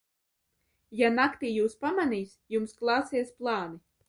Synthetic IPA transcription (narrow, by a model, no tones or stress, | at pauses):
janakt̪iːjuːspamaniːsʲjumsklˠɑːsiɛsplˠɑːni